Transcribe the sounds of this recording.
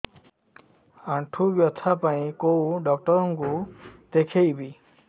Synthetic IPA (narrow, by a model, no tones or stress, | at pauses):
aɳʈʰubjɔt̪ʰapaĩkow̃ɖɔk̚ʈɔɾɔŋkud̪ekʰejbi